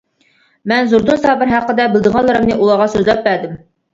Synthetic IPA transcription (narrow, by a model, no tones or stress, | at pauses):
mɛnzuɾd̪unsɑːbɪɾɦæqːəd̪ɛbɪlˠd̪ɪŋɑlˠːəɾɨmnɨʔulˠɑʁɑsøzlɛp̚bæd̪ɪm